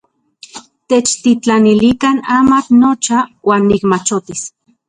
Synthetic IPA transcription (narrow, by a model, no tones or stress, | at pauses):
t̪et͡ʃt̪it͡ɬanilikanaːmaknot͡ʃawʔaːnːikmat͡ʃot̪is